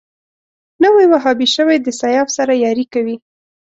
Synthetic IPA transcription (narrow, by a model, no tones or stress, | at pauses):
nəwajwaɦɑbiʃəwajd̪əsajɑfsaɾajɑɾikawi